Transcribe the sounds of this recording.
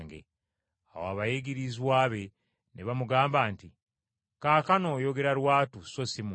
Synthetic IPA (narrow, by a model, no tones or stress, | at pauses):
ŋɡḛ | a̰waβajeɡiɾizwaːβe̞ | nʔeβamuɡaːmbaːnti | kaːkano̞ːjo̞ɡe̞ɾaɾwaːtuso̞simu